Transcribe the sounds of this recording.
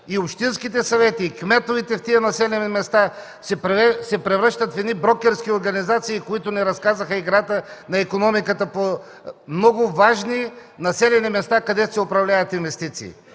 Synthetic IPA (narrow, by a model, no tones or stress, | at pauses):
iopʃt̪inskit̪ɛsɐvɛt̪iːkmɛt̪ovit̪ɛft̪iənɐsɛlɛnimɛst̪a | sɛpɾsɛpɾɛvɾɤʃt̪ət̪fɛd̪nibɾɔkɛɾskioɾɡɐnizat̪siːkoit̪ʊnɛɾɐskazəxəiɡɾat̪ənɐɛkonɔmikət̪əpo | mnɔɡʊvaʒninɐsɛlɛnimɛst̪akɐd̪ɛsɛʊpɾɐvlʲavɐt̪invɛst̪it̪sḭː